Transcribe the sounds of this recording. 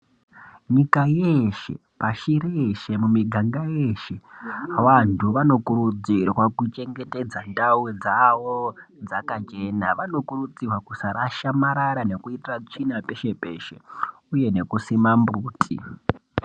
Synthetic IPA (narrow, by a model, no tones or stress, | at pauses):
ɲikajeʃe̞̰ | paʃiɾeʃe̞mumiɡʱaŋɡaje̞ːʃe̞awantʰuʋano̞kuɾud͡zirwakut͡ʃe̞ŋɡe̞te̞d͡zandawed͡zaʋod͡zakat͡ʃe̞ːnaʋano̞kuɾud͡zirwakusaɾaʃamaɾaɾane̞kuitirat͡ʂinape̞ʃe̞pe̞̰ʃe̞̰ | uje̞ne̞kusimambuːtʰʼḭ